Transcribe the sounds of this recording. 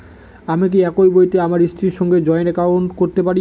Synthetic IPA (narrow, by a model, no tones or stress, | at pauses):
amik̬iɛkojbojt̪eamaɾist̪ʰɾiɾʃɔŋɡed͡ʑɔenɛkawnʈkoɾt̪epaɾi